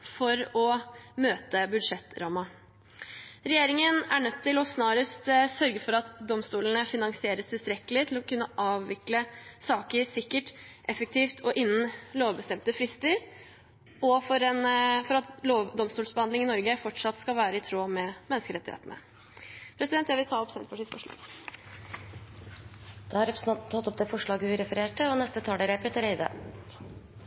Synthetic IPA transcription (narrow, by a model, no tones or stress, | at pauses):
fɔɾɔmøːt̪əbʉd̪ʂɛt̪ːɾɑːmɑ | ɾɛjeːɾɪŋənæɳœt̪ʰːɪlɔsnɑːɾəst̪sœɾɡəfɔɾɑt̪d̪ɔmst̪uːlənəfɪnɑŋsɪeːɾəst̪ʰɪlst̪ɾɛkːəlɪt̪ʰɪlɔkʉnːəʔɑːʋʋɪkləsɑːkəɾsɪkːəʈʔɛfək̚t̪ʰiːft̪ʰɔʔɪnːən̩loːʋbəst̪ɛmt̪əfɾɪst̪əɾ | ɔfɔɾɛnfɔɾɑt̪loːʋd̪ɔmst̪uːlsbəhɑnd̪ɪŋɪnɔɾɡəfɔʈʂɑt̪ːskɑlʋæːɾəɪt̪ʰɾoːmɛmɛnːskəɾɛt̪ːɪhḛːt̪ənə̰ | pʰɾɛsɪd̪ɛnt̪jæɪʋɪlt̪ʰɑːɔpsɛnt̪pʰɑʈʰiːsfɔʂɭɑ̰ːɡ | d̪̥ɛːɑɾɛpɾt̪ʰːɑt̪ːɔp̚d̪ɛfɔʂɭɑːɡəhʉɾɛfəɾeːʈːəɔnɛst̪ət̪ʰɑːɖɛɾɛpət̪ʰəɾɛɪd̪ə̰